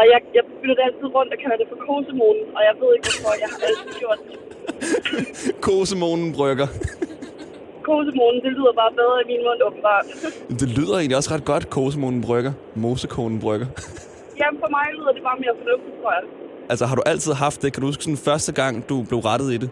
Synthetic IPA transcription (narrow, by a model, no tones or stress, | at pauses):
æjɑ̈ɪjɑ̈ɪ̥ylɐd̥eæl̰t͡sʰið̞̰ˠʁɔ̽n̰d̥ɒkʰælɐd̥e̝fɒ̽kʰoːsəmoːnn̩ɒ̽jɑ̈ɪʋe̝ð̞̰ˠe̝ɡ̥ʋɒfɒjɑ̈ɪhɑ̈æl̰t͡sʰið̩ˠɡ̥jo̝ɐ̰d̥e | kʰoːsəmo̝ːnn̩b̥ʁœɡ̥ɐ | kʰoːs̬əmo̝nn̩d̥e̝lyːð̰ˠɐb̥ɑ̈ːb̥æðˠimiːnmɔ̽n̰ɔb̥m̩b̥ɑ̰̥̈ːjmd̥e̝lyð̞̰ˠɐe̝ːnliɒ̽sʁɑ̈d̥̚ɡ̥ɒ̽d̥kʰo̝ːs̬əmo̝ːnn̩b̥ʁœɡ̥ɐ | mo̝ːsəkʰo̰ːnn̩b̥ʁœɡ̥ɐ | jæfɒmɑ̈ɪlyːð̞̰ˠɐd̥e̝b̥ɑ̈ːmeɐfɒnɔfd̥it͡sʰʁoɐjaɪ | ʔælsəɦɑ̈ɾ̥uʔæl̰t͡sʰið̰ˠɦɑ̈fd̥ːe̝kʰæd̥uhusɡ̥sɔ̽nfɶɐsd̥əɡ̥ɑ̈ŋ̰d̥ub̥le̝ʊʁɑ̈d̥ð̞̩ˠid̥e